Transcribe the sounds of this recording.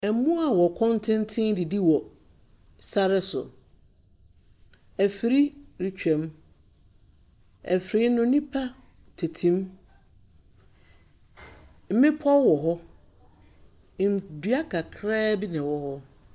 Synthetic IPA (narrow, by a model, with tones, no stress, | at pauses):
ɛ˨˦mũ˦a˨wɔ˨kʰɔ̃˦ntʰɛ̃˦ntʰɪ̃˦ŋdi˨di˦wɔ˨ | sa˦ɾɪ˦sʊ̰˨ | æ˨fi˨˦ɾi˦ɾi˦t͡ɕᶣɛ̃˨m | ɛ˨fɾi˦nʊ̃˦nĩ˦pʰa˦ | tʰe˨tʰĩ˦m | m̩˦mɪ̃˦pʰɔ˦wɔ˨ɦɔ˦˨ | n˨dɥa˦kʰa˨kʰɾɛː˦bi˦nɪ̃˨wɔ˨hɔ˦